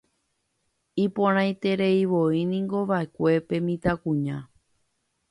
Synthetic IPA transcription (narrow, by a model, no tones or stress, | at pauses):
ipõɾ̃ãjt̪e̞ɾe̞iʋo̞inĩŋɡo̞ʋaekʷe̞pe̞mĩt̪akũɲã